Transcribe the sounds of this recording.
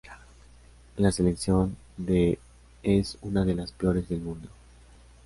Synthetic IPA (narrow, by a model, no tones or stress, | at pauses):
lase̞le̞ksjo̞n | d̪e | esunaðe̞laspeo̞ɾe̞zðe̞lmũnd̪o̞